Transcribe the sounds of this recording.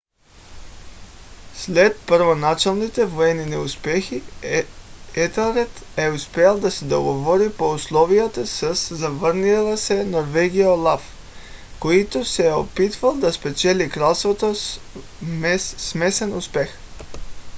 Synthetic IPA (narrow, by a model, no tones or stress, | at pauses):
slɛt̪̚pəɾvonat͡ʃɛlˠnit̪ɛvoɛninɛuspɛxi | ɛt̪ɛlɾɛt̪ɛuspɛɛlˠd̪asɛd̪oɡovɔɾipouslˠɔviət̪asəsːavəɾnilˠəsɛnoɾvɛɡijaolˠaf | koit̪osɛopit̪valˠd̪aspɛt͡ʃɛlikɾalˠst̪vot̪o | smɛsɛnuspɛx